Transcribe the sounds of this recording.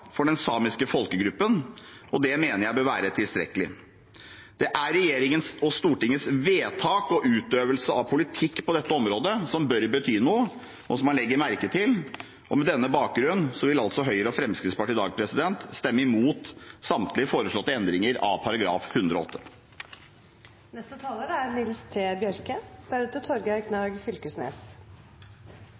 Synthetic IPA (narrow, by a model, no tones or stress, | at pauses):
fɔɖɛnsɑːmɪskəfɔlkəɡɾʉpːənʔɔd̪ɛmeːnəɾjæɪbøːɾʋæːɾət̪ʰɪlst̪ɾɛ̰kəlɪ | d̪̥ɛʔæɾɛjeːɾɪŋənsɔst̪uːʈɪŋːəsʋeːt̪ʰɑːkɔʔʉːt̪øːʋəlsəɑʋpʰʊlɪt̪ʰɪkːpɔd̪ɛt̪ːəɔmɾoːd̪əsɔmbœɾbət̪ʰyːnuːə | ʔɔsɔmkːɑnlɛɡːəɾmæɾkət̪ʰɪl | ʔɔ̰mɛd̪ɛnːəbɑːk̚ɡɾʉnːsɔʋɪlɑlsɔɦœʏɾəɔfɾɛmskɾɪt̪spɑʈɪːd̪ɑːɡpʰɾɛsɪd̪ɛnt̪st̪ɛmːəɪmuːt̪sɑmt̪lɪfoːɾəʂɭɔt̪ːəɛnd̪ɾɪŋəɾɑ̰ʋpʰɑɾɑɡɾɑ̰ːfhʉnd̪ɾɔɔ̰t̪ːə | nɛst̪ət̪ʰɑːləɾæɾnɪlst̪ʰeːbjœɾkəd̪̥æɾʉt̪ət̪ʰɔɾɡkʰnɑːɡfʏlkəsnḛːs